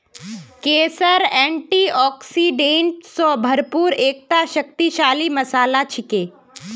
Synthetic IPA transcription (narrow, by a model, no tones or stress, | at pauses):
keːsəɾɛ̃ːɳʈiːɔːksiɖẽɳʈsɔːbʱɐɾpuːɾeːk̚t̪aʃək̚t̪iʃaːlimɐsaːlat͡ʃʰɪkeː